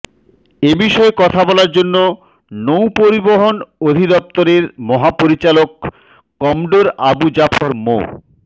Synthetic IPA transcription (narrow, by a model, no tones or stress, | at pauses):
ebiʃɔekɔt̪ʰabɔlaɾd͡ʑonːo | nowpoɾiboɦonod̪ʱid̪ɔp̚t̪oɾeɾmɔɦapoɾit͡ɕalokː | ɔmɖoɾa̰bud͡ʑafʰoɾmo̰